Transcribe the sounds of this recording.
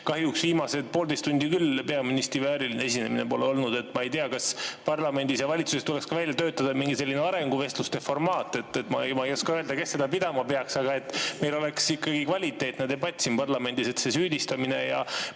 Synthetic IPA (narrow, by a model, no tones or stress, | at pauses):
kɑhjuksviːmɑse̞d̪̚po̞ːld̪est̪ːunʲd̪ikylpe̞ɑminist̪ɾivæːɾilinee̞s̬ine̞mine̞po̞leo̞lnud̪̥e̞t̪ːˑmɑe̞jt̪eɑkɑspɑrlɑme̞nd̪̥isjɑvɑlʲit̪su̥set̪ule̞kskɑvælʲjɑt̪ø̞ːt̪ːˑɑd̪ɑmiŋɡise̞lːineɑɾe̞ŋɡuve̞st̪lust̪e̞fo̞rmɑːt̪ːˑe̞t̪ːet̪mɑ̰mɑjɑskɑøeld̪ɑke̞sːe̞d̪̥ɑpid̪ɑmɑpeɑksɑɡ̥ɑe̞t̪ːˑme̞jlo̞le̞ksikːɑɡikvɑlʲit̪ːˑe̞ːt̪ned̪ebɑt̪ʲsimpɑrlɑme̞nd̪̥ise̞t̪se̞syːd̪ist̪ɑminejɑ̰